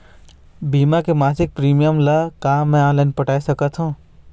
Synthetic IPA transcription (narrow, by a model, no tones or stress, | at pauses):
biːmakemaːsɪk̚pɾiːmijəmlɐkãːmɛ̃ãːlənpəʈaːisəkət̪ɦũː